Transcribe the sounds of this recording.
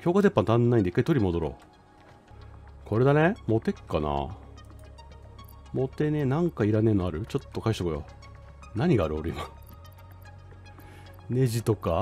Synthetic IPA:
kʲo̞ːkat̪e̞pːãnt̪ãnːaĩnd̪eikːait̪o̞ɾʲimo̞d̪o̞ɾo̰ː | kʰo̞ɾe̞d̪anemo̞t̪e̞kːana̰ | mo̞t̪e̞ne̞nãŋkaiɾane̞noaɾɯ̟t͡ɕo̞t̪ːo̞kaiɕi̥t̪akojo̰ | naɲ̟iɡaːɾɯ̟oɾɯ̟ima | ne̞ʑit̪o̞ka

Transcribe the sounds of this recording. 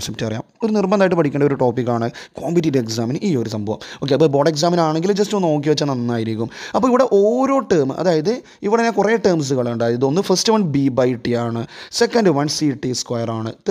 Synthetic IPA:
septːɨɐrija̰ːmo̞ɾunirbɐnaːjiʈːɨpɐʈʰikʲːeːɳɖɐoɾuʈo̞ːpːikːaːɳɨkoːmbitːideeksaːmɐnʔiːjo̞ɾusɐmbʱɐʋɐ̰mo̞ːk̬ːeɐpːobo̞ːɖeks̬aːmɐnaːɳe̞ŋɡild͡ʑɐstuno̞ːk̬ːiʋɐt͡ɕːɐnɐnːaːjiɾikʲːumɐpːoːiʋiɽe̞ʔoːɾoːʈəːmɨɐ̰ðaːjɐðɨ | iʋiɽɐnekureːʈːɐːms̬ɨɣɐɭuɳɖaːjɐɐðo̞nːɨfɐstiʋɐɳɖbiːbɐjʈːijaːɳɨsekːɐnɖɨʋɐnsiʈːiskwɐjɐraːɳɨ

